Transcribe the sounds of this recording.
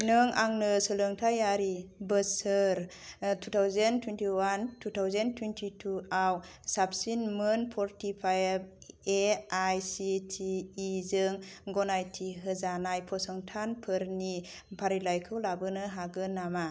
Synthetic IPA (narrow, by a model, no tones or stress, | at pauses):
nɯŋaŋnɯsɯlɯŋtʰajaɾibɯsɯɾ | tʰutʰawzentʰwentiwantʰutʰawzentʰwentʰitʰuawsap̚sinmɯnpʰɔɾtʰipʰajb̚eajsitʰiːzɯŋɡɔnajtʰiɦɯzanajpʰɔsɔŋtʰanpʰɯɾni | pʰaɾilajkʰɯwlabɯnɯɦaɡɯnama